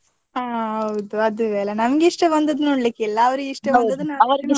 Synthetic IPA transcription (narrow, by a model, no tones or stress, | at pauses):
aɦɐwud̪uɐd̪uʋɛːlɐnɐmɐɡeiʂʈɐbɐnd̪ɐd̪unoːɽlikːeilːɐɐʋɾiɡeiʂʈɐɐd̪ɐd̪unːɐɐɾ